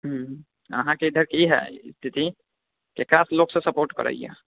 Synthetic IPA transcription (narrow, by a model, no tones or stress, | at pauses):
ɦ | ə̰ɦãkeid̪ʱəɾkiɦɛ̰st̪ʰit̪i | kekɾasloksẽsəpoɾʈkə̰ɾə̰ḭja̰